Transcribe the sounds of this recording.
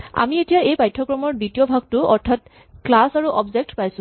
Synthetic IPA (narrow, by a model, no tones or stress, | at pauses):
a̰mietijaejpajtʰːɔkɹɔmɔɹditijobʱaɡ̚tʊɔ̰ɹtʰat | klasaɹuʔɔbzek̚tpajsʊ̃